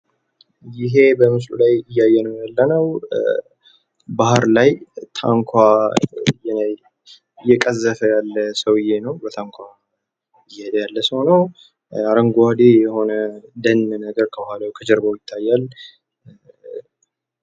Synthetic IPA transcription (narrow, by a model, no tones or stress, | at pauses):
jɪɦe̞bəmɨs̬lṵlajɪjːajːɛnəwjalːənəw | bahɾlajt̪ʰa̰ŋkʷʰa | jɛ | ɨjːɛkʼəzːəfəjalːəsəwɪjːe̞nəwbət̪ʰaŋkʷʰa | ɪjhed̪əjalːəshonəw | aɾəŋɡad̪ejɛho̞nəd̪ənːnəɡəɾkʰəbəhʷalawkʰəd͡ʒəɾbojɪt̪ʰːajːal